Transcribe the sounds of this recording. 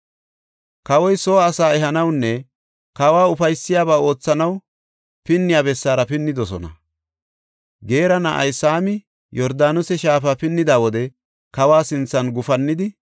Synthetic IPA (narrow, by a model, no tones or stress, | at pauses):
kɐwɔjsoːsaːɛɦɐnɐwnːɛ | kɐwaːʊfɐjsːɪjaːbaːo̞ːt͡sːɐnɐw | pɪnːɪjaːbɛsːaːɾɐpɪnːɪd̪ɔsɔ̰nɐ̰ | ɡe̞ːɾɐnɐʔɐ̰jsaːmɪ | jɔɾd̪aːnʊsɛʃaːfapɪnːɪd̪aːwɔd̪ɛ | kɐwaːsɪnt͡sːɐnɡʊfɐnːɪd̪ɪ